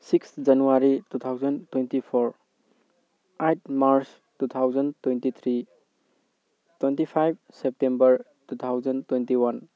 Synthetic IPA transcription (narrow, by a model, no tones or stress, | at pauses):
siksd͡ʒanuwaɾitut̪ʰawzɐntwentipʰɔɾ | ajt̚maɾs | tut̪ʰawzəntwentit̪ʰɾi | twentipʰajb̚ | sep̚tembɐɾ | tut̪ʰawzɐntwentiwan